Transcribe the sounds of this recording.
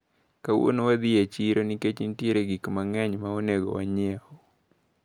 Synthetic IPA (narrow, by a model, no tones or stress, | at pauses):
kawo̰nowad̪ɪet͡ʃiɾoniket͡ʃintjeɾeɡikmaŋɛɲmaonɛɡɔ̰wa̰ɲɛɔ